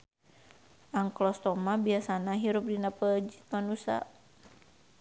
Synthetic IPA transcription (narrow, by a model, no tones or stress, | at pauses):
ʔaŋklɔst̪ɔmabiasanaɦiɾup̚dinapəd͡ʒi̥t̪̚manusa̰